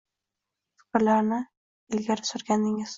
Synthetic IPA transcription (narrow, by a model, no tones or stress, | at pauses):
fɪ̥kʲɾlaɾnɪ | ɪlɡʲaɾɪsʊɾɡʲanɪŋɪz̥